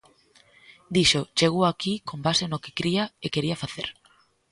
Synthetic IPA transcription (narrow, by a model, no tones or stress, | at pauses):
d̪iʃot͡ʃeɣoakikombasenoke̥kɾiɐekeɾiɐfaθeɾ